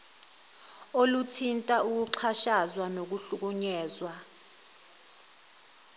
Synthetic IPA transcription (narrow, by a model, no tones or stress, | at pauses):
olutʰintʼauk̬uǃʰaʃazwanok̬uɬuk̬uɲɛːzwa